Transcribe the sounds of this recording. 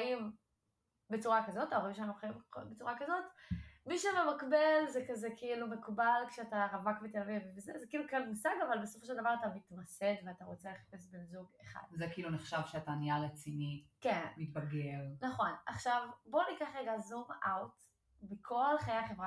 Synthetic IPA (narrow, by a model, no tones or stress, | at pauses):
im | be̞t͡suʁakazo̞taoʁimʃeanuχaimkobet͡suʁakazo̞tmiʃevemakbelzekazekiilumekubalkʃeataʁavakmit̪elavivvezezekiilukalmusaɡavalbe̞so̥foʃ̬ed̪avaʁatamit̪masedveataʁo̞t͡seleχḁpe̞sbemzuɡeχa̰d̥̪zekiiluneχʃavʃeataniaʁet͡sinikenmit̚baɡelnaχo̞naχʃavbo̞nikaχʁeɡazumawt | mikʰo̞lχajejaχe̞vʁa